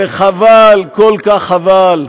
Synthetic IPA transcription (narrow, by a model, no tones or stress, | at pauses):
eχavalkolkaχaval